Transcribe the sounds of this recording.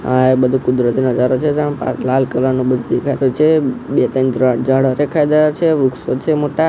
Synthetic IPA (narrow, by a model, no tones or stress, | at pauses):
ãebəd̪ʱũkud̪ɾət̪inəd͡ʒaɾot͡ʃʰed͡ʒãpã̰t͡ʃlalkəlanũbəd̪ʱũd̪ekʰaɾut͡ʃʰebet̪ənd̪ɾaʈd͡ʒaɽəɾekʰajd̪əjat͡ʃʰeʋɾuksot͡ʃʰemoʈa